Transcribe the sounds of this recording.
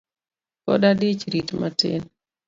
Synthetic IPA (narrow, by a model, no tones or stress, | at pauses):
kɔ̰dadit͡ʃɾitmatɪ̰n